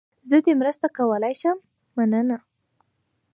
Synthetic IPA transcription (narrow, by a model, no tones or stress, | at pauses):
zəd̪emɾəst̪akawəlajʃəmː | anəna